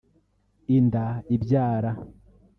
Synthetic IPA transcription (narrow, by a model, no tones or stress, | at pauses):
indaibɟaːɾa